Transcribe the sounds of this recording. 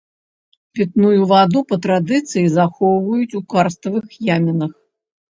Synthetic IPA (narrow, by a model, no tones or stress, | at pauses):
pʲɛt̪nujuvad̪upɐt̪ɾad̪ɨt̪sɨjizaxɔwvɐjut͡sʲukarst̪ɐvɨxjamʲɐnɐx